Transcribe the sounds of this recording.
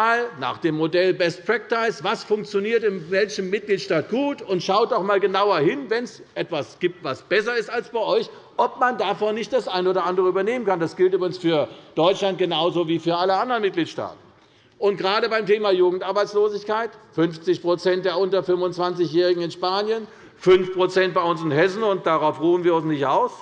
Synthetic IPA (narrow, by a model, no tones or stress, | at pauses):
aːlna̰ːχd̥eːmːodɛlbɛstpʁ̥ɛk̚taɪsv̥asfʊŋk̚t͡sjoniːɐtɪnvɛlçəmːɪt̚ɡ̥liːtʃtaːt̚ɡ̥uːtʊntʃaʊt̚dɔmaːlɡənaʊɐhɪnvɛnsʔɛtv̥asɡ̥iːp̚tv̥asb̥ɛs̬ɐɪstalsb̥aɪʔɔʏç | ʔɔp̚mandaːfonːɪçt̚d̥asʔaɪnoːdɐʔandəʁəyːbɐneːmənkandasɡ̥ɪltʔyːbʁɪɡŋ̩sfyːɐd̥ɔʏt͡ʃlant̚ɡ̥ənaʊzoviːfyːɐʔaləandɐʁənmɪt̚ɡ̥liːtʃta̰ːtn̩ | ʊntɡ̥əʁaːɾəbaɪmtʰeːmajuːɡŋ̩tʔaɐbaɪt͡ssloːzɪçkaɪtfʏnft͡sɪçpʁ̥ot͡sɛnt̚d̥eːɐʔʊntɐfʏmvʊnt͡sv̥ant͡sɪçjɛːʁɪɡŋ̩ɪnʃpaːnjən | fʏnfpʁ̥ot͡sɛnt̚b̥aɪʊnsɪnɦɛs̬n̩ʊnt̚d̥aʁaʊfʁuːn̩viːɐʊnsnɪçtʔaʊs